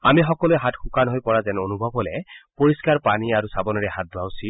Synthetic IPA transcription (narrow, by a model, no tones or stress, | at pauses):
amixɔkɔluɛɦatxukanɦojpɔɹazɛnonubʱɔbɦɔlɛpoɹiskaɹpaniaɹusabɔnɔɹɛɦat̚dawsi